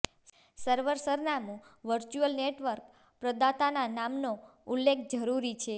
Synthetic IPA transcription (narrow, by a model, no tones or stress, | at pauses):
səɾʋəɾsəɾnamũʋəɾt͡ʃuəlneʈʋəɾk | pɾəd̪at̪ananamnoulːekʰd͡ʒəɾuɾit͡ʃʰe